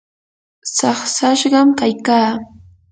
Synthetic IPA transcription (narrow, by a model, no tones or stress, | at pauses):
sɑχsaʃɢɑmkajkaː